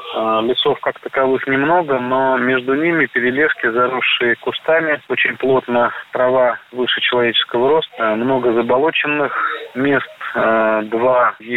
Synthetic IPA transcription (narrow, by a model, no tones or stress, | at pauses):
lʲɪt̪so̞fkakt̪əkɐvɨxnʲɪmno̞ɡəno̞mʲe̞ʐd̪ʊnʲimʲɪpʲɪɾʲɪlʲe̞ʂkʲɪzɐɾuʂːɨjəkʊst̪amʲɪo̞t͡ɕɪnʲplˠo̞t̪nəpɾɐvavɨʂɨt͡ɕɪlˠɐvʲet͡ɕɪ̥skəvəɾo̞st̪əmno̞ɡəzəbɐlˠo̞t͡ɕɪnːɨxmʲest̪d̪vaj